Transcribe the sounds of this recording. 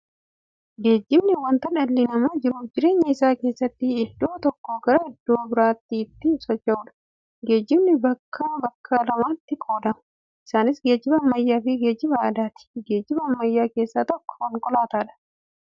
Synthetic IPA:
ɡe̞ːd͡ʒːɪbnɪwɐnt̪ɐᶑɐlːɪnɐmaːd͡ʒɪɾʊd͡ʒɪɾe̞ːɲːɐɪsaːke̞ːsːɐt̪ːɪːd̪ːo̞ːt̪ɔkːoɡɐɾɐɪd̪ːoːbɪɾaːt̪ːiːt̪ːɪsɔt͡ʃːɐuːᶑɐ̥ | ɡe̞ːd͡ʒːɪbnɪbɐkʰːabɐkʰːalɐmaːt̪ːɪkʼo̞ːd̪ɐmɐ | ʔɪsaːnɪsɡe̞ːd͡ʒːɪbɐːmːɐjːaːfɪɡe̞ːd͡ʒːɪbɐɐd̪aːt̪ɪ̥ɡe̞ːd͡ʒːɪbɐːmːɐjːaːke̞ːsːaːt̪ɔkːɔ̥ɔŋkʼɔlaːt̪aːᶑɐ̥

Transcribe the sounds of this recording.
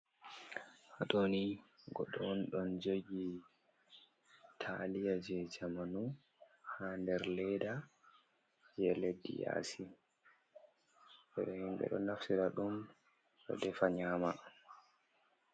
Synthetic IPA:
hatoniɡɔɗɔnɗɔnd͡ʒeɡi | tʰa̰lijad͡ʒɛd͡ʒamanu | handɛɾlɛda | d͡ʒɛledːḭja̰si | ɓɛɗɛhimɗɛ̰ɗɔnafsiɾaɗum | ɗɔ̰dɛfaɲaːma

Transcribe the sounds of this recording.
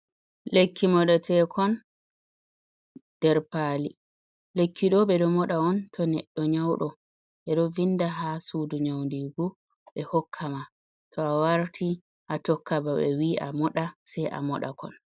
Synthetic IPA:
lekʰːimɔɗatʰɛkʰɔn | d̥ɛɾpaːli | lekʰːiɗɔɓɛɗɔmɔɗaɔntʰɔnɛɗːɔɲawɗɔ | ɛɗɔvinːdaɦasuduɲawndiːɡu | ɓɛhɔkʰːama | tʰɔawaɾtʰi | ʔatɔkːabaɓɛ̰wiʔa̰mɔɗasɛjʔa̰mɔɗa̰kɔ̰n

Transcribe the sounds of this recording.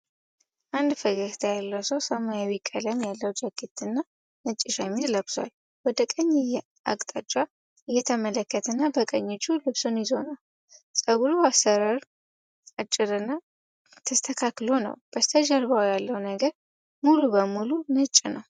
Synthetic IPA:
ʔand̪fəɡəst̪ʰajalːəwsəwsəmajawikʼːələmjalːəwd͡ʒaɡit̪ɨnːa | nɨt͡ʃʼːɪʃamiɾləbswa̰l | wɔd̪əkʼəɲːɛjɛ | a̰kʼt̪ʼat͡ʃʼːa | ɨjːɛt̪ʰəmələkːət̪ʰɨnːabəkʼəɲːɪt͡ʃʰʼːulɨβsonjɪzo̞nal | sʼəɡuluasəɾaɾ | at͡ʃʼːɪɾɨnːa | t̪ʰəst̪ʰəkʰaklo̞nə̰wb̥əst̪ʰəd͡ʒəɾβawjalːəwnəɡəɾ | mulubəmulunɨt͡ʃʼːnəw

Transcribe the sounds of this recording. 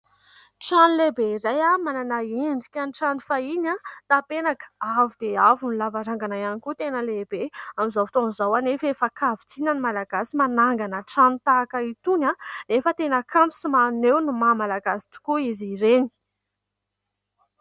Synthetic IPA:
ʈ͡ʂanilebeɾajamananaeɳɖ͡ʐikʲaniʈ͡ʂanifaiɲat̪apenakə̥avud̪eavunilavaɾaŋɡanajanikut̪enəlebeamizawfi̥t̪onizawanefefakʰavit͡sinənimalaɡasimanaŋɡanəʈ͡ʂanit̪aːkait̪unanefət̪enəkʰant͡su̥simanewnumamalaɡasi̥t̪u̥kuiziɾeni̥

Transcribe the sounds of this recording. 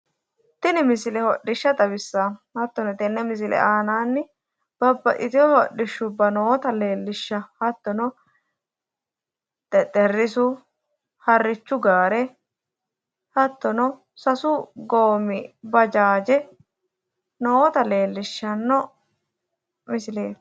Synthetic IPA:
t̪ɪnɪmɪsɪlɛhɔɗːɪʃːɐt̪ɐbɪsːahɐt̪ːɔnɔt̪ɛnːɛmɪs̬ɪlɛ̰aːnaːnːɪ | b̥ɐbːɐʔɪt̪ɪjɔhɔɗːɪʃːʊbːɐnoːɔt̪ɐle̞ːlːɪʃːɐhɐt̪ːɔnɔ | t̪ɛt̪ʼɛrːɪsʊ | hɐrːɪt͡ʃːʊɡaːɾɛ | hɐt̪ːɔnɔ | sɐsʊɡoːmɪbɐd͡ʒaːd͡ʒɛ | noːt̪ɐle̞ːlːɪʃːɐnːɔ | mɪsɪleː

